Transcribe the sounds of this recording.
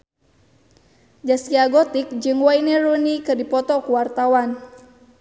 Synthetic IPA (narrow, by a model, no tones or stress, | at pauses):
d͡ʒasiaɡɔt̪ɪk̚d͡ʒɨŋwainɛɾunikɨrdipɔt̪ɔkuwart̪awan